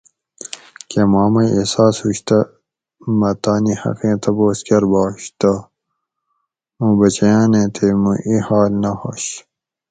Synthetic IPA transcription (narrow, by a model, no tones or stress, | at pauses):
kemaːmɐesaːshuɕt̪ɐ | mɐt̪aːnihɐ̰qẽːt̪ɐboːskʲɐɾbaːɕt̪a | mũːbɐt͡ɕɐjaːnẽːt̪ʰemuʔihaːlnɐho̰ɕ